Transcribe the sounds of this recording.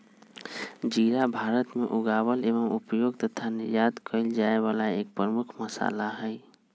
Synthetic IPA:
d͡ʒiːɾabʱaːɾət̪meʔʊɡaːwəleːʋəmupjoːɡ̚t̪ət̪ʰanɪɾjaːd̪kʰəɪld͡ʒaːeʋaːlaeːk̚pɾəmʊkʰməsa̰ːlaɦɛ

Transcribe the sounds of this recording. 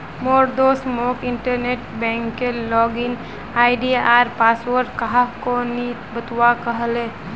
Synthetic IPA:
moɾd̪osmokɪɳʈəɾneʈ̚bɛ̃ŋkːelɔɡin | aːɪɖiaːɾpaswəɾʈ̚kəɦakonit̪bət̪wakəɦəlẽː

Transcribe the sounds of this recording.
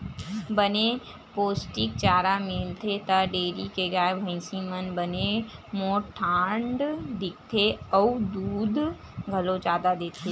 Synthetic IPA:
bəne | poːsʈɪk̚t͡ʃaːɾamɪlt̪ʰet̪aɖeːɾikeɡaːebʱə̃ɪ̃simənbənemoːʈʰːãːɳɖd̪ɪk̚ʰt̪ʰeəud̪uːd̪ | ɡʱɐlod͡ʒaːd̪ad̪eːt̪ʰe

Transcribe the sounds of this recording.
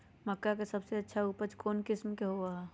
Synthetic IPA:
məkːakesɐbseɐtːʃʰauːpəd͡ʒkoːnkɪsmkeɦoa

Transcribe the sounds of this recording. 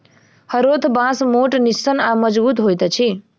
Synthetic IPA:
həɾot̪ʰbãsmoʈnisːənaməd͡ʒbut̪ɦojt̪t͡ʃʰi

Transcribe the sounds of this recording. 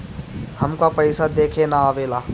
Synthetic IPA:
hɐmkapɐɪsad̪eːkʰenaaːʋeːlaː

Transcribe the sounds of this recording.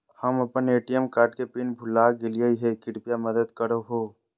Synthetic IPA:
həmɐpəneːʈijəmkaːɾʈkepiːnbʱʊlaːɡɪliəiɦɛkɪɽpijaməd̪əd̪kəɾoɦoː

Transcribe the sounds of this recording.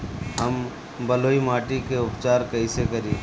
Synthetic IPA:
ɦɐm | bɐloːimaːʈikeʊpt͡ʃaːɾkɐisekəɾiː

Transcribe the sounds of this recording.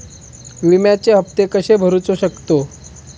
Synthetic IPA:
ʋimjat͡ɕeɦəpt̪ekəɕebʱəɾut͡soɕəkt̪o

